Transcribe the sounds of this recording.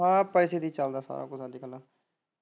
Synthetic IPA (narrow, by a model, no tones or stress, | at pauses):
ɦãːpɛːseːd̪iːt͡ʃəld̪aːsa̰ːɾa̰ːkʊsãːd͡ʒiːkəlːaː